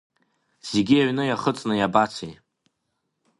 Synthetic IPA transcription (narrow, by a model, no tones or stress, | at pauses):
z̥eɡʲiaɥnɨjaχət͡sʼnɨjabat͡sʷʰe